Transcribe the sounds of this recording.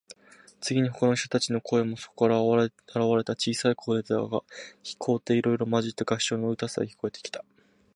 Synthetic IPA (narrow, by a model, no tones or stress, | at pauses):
t͡sɨɡʲiɲ̟ikokonoçi̥t̪ot̪at͡ɕino̞kʰo̞e̞mo̞so̞̥kɾaaɾaβaɾe̞t̪at͡ɕiːsaikʰoːɾet͡saɡaçi̥kʰo̞ːt̪ːe̞iɾo̞iɾo̞maʑit̪ːeɡḁɕo̞ːnoɯ̟t̪asɨa̰çʲi̥ko̞e̞t̪e̥kʲi̥t̪ḁ